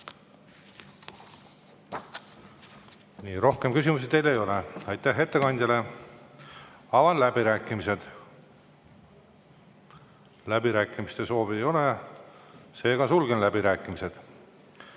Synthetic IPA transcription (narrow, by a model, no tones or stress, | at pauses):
niːɾo̞hke̞mkysʲimus̬id̪e̞jlejo̞leɑjt̪ˑːæhɦːe̞t̪ːekɑnʲd̪ʲɑle̞ | ɑvɑnlæb̥iɾæːkːˑimise̞d̪̥ | læbiɾæːkːˑimist̪e̞so̞ːviejo̞le | se̞ːɡ̥ɑsulɡenlæbiɾæːkːˑimise̞d̪̥